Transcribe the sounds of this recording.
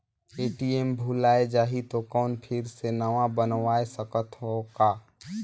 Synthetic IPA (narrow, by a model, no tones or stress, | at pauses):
eːʈiembʱulaːed͡ʒaːɦit̪okɔːnpʰɪɾsenəʋãbənʋaːesəkət̪ɦokaː